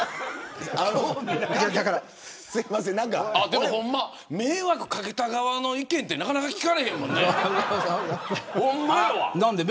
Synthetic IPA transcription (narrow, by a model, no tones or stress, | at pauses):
a | d͡ʑad̪akaɾa | sɨɡimasẽnnãŋkaad̪emohõ̞mːa | me̞ːβakɯ̟kake̞t̪aɡaβano̞ikẽ̞nt̪ːe̞nakanakakʲi̥kaɾe̞hẽ̞mːõ̞nːe | hõmːaanãnd̪eb